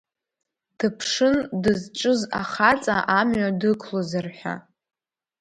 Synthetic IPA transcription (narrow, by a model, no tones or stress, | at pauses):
tʰɨpʰʂɨndɨzʈ͡ʂʼɨza̰χat͡sʼaʔamɥadɨkʰlozarħʷᶣa̰